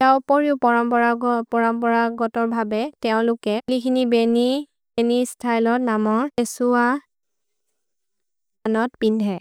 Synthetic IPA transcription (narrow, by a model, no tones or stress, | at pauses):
aupoɹiʊpɔɹɔmpɔɹapɔɹɔmpɔɹaɡɔtɔɹbʱabɛtɛʊ̃lʊkɛlikʰinibeni | benistʰajlɔɹnamɔɹesua | anɔtpindʱɛ